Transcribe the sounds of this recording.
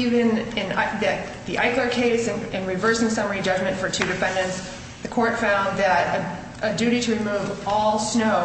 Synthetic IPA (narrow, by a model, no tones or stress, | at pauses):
ivɨ̃nɨ̃naðɨt̪ | ðiʔaɪklə˞kʰeɪsɨ̃nɨ̃nɹɨvɜ˞sɪ̃ŋsʌmə˞id͡ʒʌd͡ʒmɨ̃ntfə˞tʰʉɾɨfɛ̃ndɨ̃nts | ðɨkʰɔɹtfãʊ̃nðɨɾɨ | ʔɨdʉɾiɾɨɹɨmuvɔlˠsnoʊ